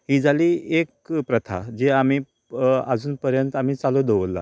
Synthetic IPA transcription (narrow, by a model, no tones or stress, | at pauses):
ɦiːd͡zʱaliːek̚pɾət̪ʰa̰d͡ʑeam̤iː | ə̰d͡zuːnpəɾjənt̪am̤iːt͡salod̪eʋəlːa̰